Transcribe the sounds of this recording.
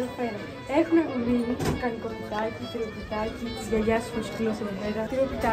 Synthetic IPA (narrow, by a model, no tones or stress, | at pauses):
ofeɾo | exunɐvimimikɐniko̞pit̪ɐcit̪iɾiopit̪ɐcit̪izʝɐʝɐssiskioseðeveɾɐt̪iɾopit̪ɐ